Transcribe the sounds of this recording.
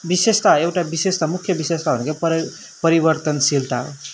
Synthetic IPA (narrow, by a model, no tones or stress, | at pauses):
bisest̪aewʈabisest̪amukʰjʌbisest̪abʌnkepʌ | pʌɾibʌɾt̪ʌnsilt̪ao